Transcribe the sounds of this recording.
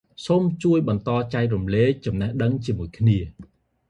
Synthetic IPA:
soːmt͡ɕuəjɓɑnt̪ɑːt͡ɕaɛj̚rumleːk̚t͡ɕɑmnɛhɗəŋt͡ɕiəmuəjkʰniə

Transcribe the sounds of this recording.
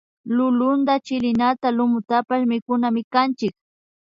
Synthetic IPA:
lʊlʊnd̪at͡ʃɪlɪnat̪alʊmʊt̪apaʃmɪkʊnamɪkant͡ʃɪk

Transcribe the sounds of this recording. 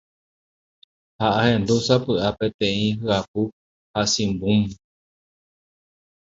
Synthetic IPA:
haʔahẽnd̪usapɨʔapẽt̪ẽĩɦɨap̚u | hasĩmbũm

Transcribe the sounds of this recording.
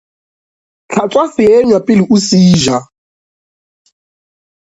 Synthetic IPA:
t͡ɬʰat͡sʼwasɪɛɲwapʼɪlɪʔusiːʒa

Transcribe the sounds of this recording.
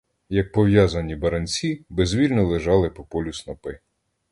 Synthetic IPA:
jɐk̚pɔʋjɑzɐnʲibɐɾɐnʲt͡sʲibezʲʋʲilʲnɔlˠeʒɑlˠɪpɔpɔlʲʊsnɔpɪ

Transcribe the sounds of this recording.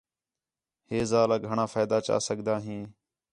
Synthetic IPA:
heːzaːlaːɡʱəɳãːfaːjd̪aːt͡ʃa̰ːsəɠd̪aːɦĩː

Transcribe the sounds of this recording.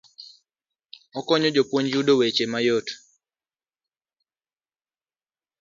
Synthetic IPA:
ɔkɔɲɔd͡ʒopwoɲd͡ʒudowet͡ʃemajot

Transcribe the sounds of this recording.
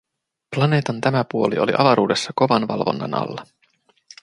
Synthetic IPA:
plɑne̞ːt̪ɑnt̪æmæpuo̞lio̞̰lḭʔɑʋɑɾuːde̞sːɑko̞ʋɑnʋɑlʋo̞̰nːɑ̰nɑ̰lːɑ

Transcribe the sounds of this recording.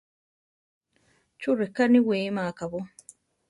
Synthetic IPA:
t͡ʃuɾekaniweːmaːkaβo

